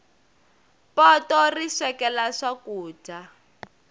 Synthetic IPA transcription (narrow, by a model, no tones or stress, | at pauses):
pɔtɔriʂɛkɛlaʂakuːta